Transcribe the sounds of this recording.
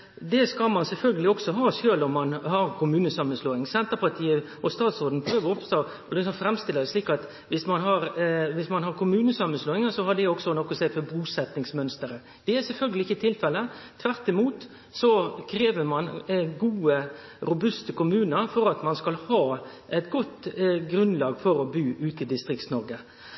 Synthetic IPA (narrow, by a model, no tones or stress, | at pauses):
d̪ɛskɑlmɑnsɛlfœlɡəlɪɔksɔɦɑːʂøːlɔmːɑnhɑɾkʰʊmʉːnəsɑmːənsloːɪŋsɛnt̪əɾpɑʈ̪ʰiːə | ɔst̪ɑːt̪sɔɾd̪n̩pʰɾøːʋəɾɔpst̪oː | ɔlɪksɔnfɾɛmst̪ɪlːədɛʂliːkɑt̪ | ʋɪsmɑnɦɑɾʋɪsmɑnɦɑɾkʰʊmʉːnəsɑmːənsloːɪŋəsɔhɑɖɛɔksɔnɔkːɔseːfɔbuːsɛt̪nɪŋsmœnst̪əɾə | d̪̥ɛæɾsɛlfœlɡəlɪɪçːət̪ʰɪlfɛlːət̪ʰʋæɾt̪ɪmuːt̪ | sɔkʰɾeːʋəmɑnɡuːəɾʊbʉst̪əkʊmʉːnəɾfɔɾɑt̪mɑnskɑlhɑːʔɛt̪ɡɔt̪ːɡɾʉnlɑːɡfɔɾɔbyːʔʉːt̪ɪd̪ɪst̪ɾɪkt̪snɔɾɡə